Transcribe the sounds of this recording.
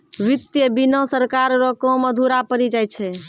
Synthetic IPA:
ʋit̪jəbinɔ̃səɾkaɾɾɔkõməd̪ʱuɾapəɾid͡ʒajt͡ʃʰɛ

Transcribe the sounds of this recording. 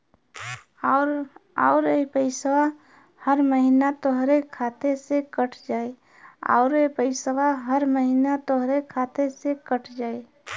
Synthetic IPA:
ɾa̰ʊɾepəɪsəwa | həɾməɦinat̪oɦɾekʰaːt̪esekəʈʰd͡ʒaːe | a̰ːɾepəɪsəwaɦəɾməɦinat̪oɦɾekʰaːt̪esekəʈʰd͡ʒaːe

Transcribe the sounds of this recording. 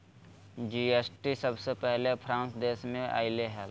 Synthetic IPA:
d͡ʒiːeːsʈisəbsepɛɦlepʰɾãːnsd̪eːsmẽʔa̰ːileɦɛl

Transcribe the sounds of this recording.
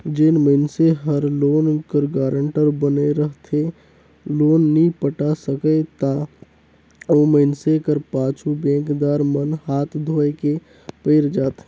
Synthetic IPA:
d͡ʒenməɪnseɦəɾloːnkəɾɡaːɾəɳʈəɾbəneɾəɦt̪ʰe | loːnːəĩpəʈasəkət̪a | oːməɪnsekəɾpãːt͡ʃʰubẽːkd̪aːɾmənhaːt̪ʰd̪ʱoːeke | pəɪɾd͡ʒaːt̪e

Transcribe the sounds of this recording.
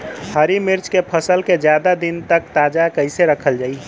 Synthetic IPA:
həɾimɪɾt͡ʃkepʰəsəlked͡ʒjad̪ad̪int̪ək̚t̪aːd͡ʒakəɪseɾəkʰəld͡ʒaːi

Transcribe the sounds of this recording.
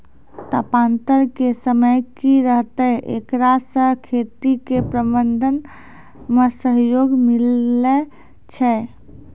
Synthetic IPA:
t̪apãːnt̪əɾkesəməjkiɾəɦt̪əɦʔḛːkɾasəkʰeːt̪ikepɾəbənd̪ʱən | mesəɦjoːɡmɪle | t͡ʃʰɛ

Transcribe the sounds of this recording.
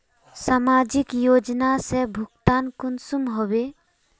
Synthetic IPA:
samaːd͡ʒɪkjoːd͡ʒnasebʱʊɡt̪aːnkʊnsumɦobe

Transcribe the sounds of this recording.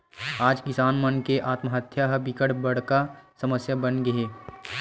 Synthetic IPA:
aːd͡ʒkɪsaːnmənkeʔaːt̪məɦət̪ʰjaɦɐbɪkəɽbɐɽ̤kasɐməsjabənɡɐeː

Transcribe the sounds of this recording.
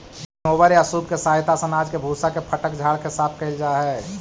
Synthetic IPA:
oːʋəɾjasuːb̚kesaːɦɪt̪asənaːd͡ʒkebʱuːsakepʰəʈəkd͡ʒʱaːɽkesaːt̪ʰkəɪld͡ʒaːɦɛː

